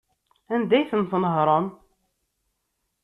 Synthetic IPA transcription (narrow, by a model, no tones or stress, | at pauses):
ænd̪æjθənθnəɦɾˤɑn